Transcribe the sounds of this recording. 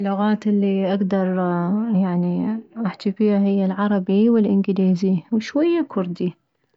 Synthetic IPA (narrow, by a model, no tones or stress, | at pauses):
lːʊɣaːt̪ʔɪlːiʔaɡd̪ɑɾˤjaʕniʔaħt̪ifiːhahɪjːalʕɑɾˤɑbiwɪlʔɪnɡɪliːziwɪʃwajːakʰʊɾd̪i